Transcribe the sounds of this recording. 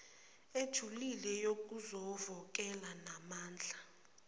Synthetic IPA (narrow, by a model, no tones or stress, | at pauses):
ed̥ʒ̥ʱulilɛjok̬ʼuzɔvɔk̬ʼɛlanamaːnd͡ɮʱa